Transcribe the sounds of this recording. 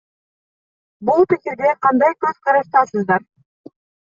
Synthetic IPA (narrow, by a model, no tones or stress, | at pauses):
bulˠpikʲiɾd̪eqʰɑnd̪ɑjkɵz̥qʰɑɾɑʃt̪ɑsɯzd̪ɑɾ